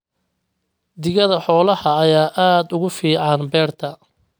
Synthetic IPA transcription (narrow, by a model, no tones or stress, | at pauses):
d̪ɪɣɐðɐħɔːlɐhɐːjaːʔaːd̪ʊɣʊfiːʕɑnbɛːrt̪ʰɐ